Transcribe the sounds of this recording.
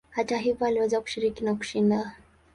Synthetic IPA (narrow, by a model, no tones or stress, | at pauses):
hataɦivɔaliwɛzaku̥ʃiɾikinaku̥ʃinda